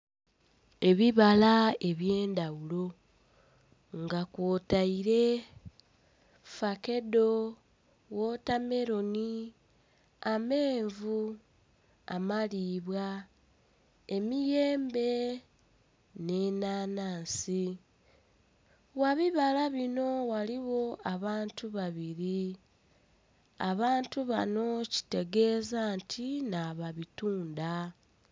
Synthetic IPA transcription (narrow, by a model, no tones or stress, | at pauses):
e̞βiβalae̞βje̞ːndawulo̞ | ŋɡakwotaiɾe̞ | fake̞do̞ | wo̞tame̞ɾo̞ni | ame̞ːɱvu | a̰maliβwa | e̞mije̞ːmbe̞ | ne̞ːnaːnaːnsi | waβiβalaβino̞waliɣo̞aβaːntuβaβiɾi | a̰βaːntuβano̞ci̥te̞ɡe̞ːzantʰinaβaβituːnda